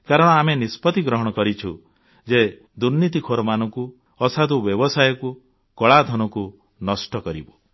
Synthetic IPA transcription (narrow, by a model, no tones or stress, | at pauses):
kaɾɔɽ̃ɔamenispɔt̪iɡɾɔɦɔɽ̃ɔkɔɾit͡ʃʰṵ | d͡ʒe | d̪uɾnit̪ikʰoɾɔmanɔŋku | ɔsad̪ubjɔbɔsajɔku | kɔɭad̪ʱɔnɔku | nɔsʈɔkɔɾḭbɔ